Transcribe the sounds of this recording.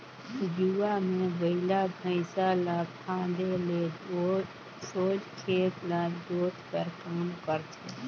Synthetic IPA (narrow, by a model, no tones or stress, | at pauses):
juwamẽbəɪlabʱəɪsalapʰãːd̪eleo | soːd͡ʒkʰeːt̪lad̪oːt̪pəɾkaːmkəɾt̪ʰe